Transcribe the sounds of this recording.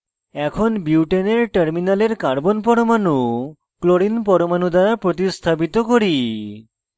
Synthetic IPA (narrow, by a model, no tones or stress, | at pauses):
ɛkʰonbiwʈeneɾʈəɾminaleɾkaɾbonpɔɾomanu | kloɾinpɔɾomanud̪aɾapɾot̪̬ist̪ʰapit̪okoɾi